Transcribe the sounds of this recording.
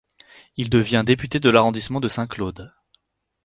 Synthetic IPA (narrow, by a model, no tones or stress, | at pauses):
ild̪əvjɛ̃d̪epyt̪ed̪əlaʁɔ̃d̪ismɑ̃d̪əsɛ̃klod̪